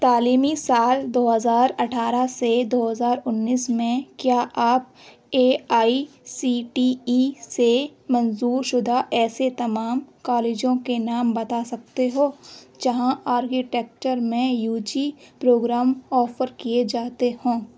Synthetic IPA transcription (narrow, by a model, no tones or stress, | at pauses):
t̪aːliːmisaːld̪oːɦəzaːɾɐʈʰaːɾased̪oːɦəzaːɾʊnːiːsmẽkjaːʔaːp̚ | eːaːi | siːʈiisemɐnzuːɾʃʊd̪ʱaʔɛːset̪ɐmaːmkaːleːd͡ʒõkenaːmbɐt̪asɐk̚t̪eɦoːd͡ʒɐɦãaːɾkiʈeːk̚t͡ʃəɾmẽjuːd͡ʒipɾoːɡɾaːmɔːfəɾkied͡ʒaːt̪ehõː